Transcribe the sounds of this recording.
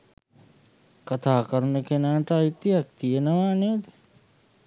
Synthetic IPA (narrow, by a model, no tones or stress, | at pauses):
kɐt̪ʰaːkɐɾnekenaːʈait̪ːiɐk̚t̪ienɐʋaːned̪e̥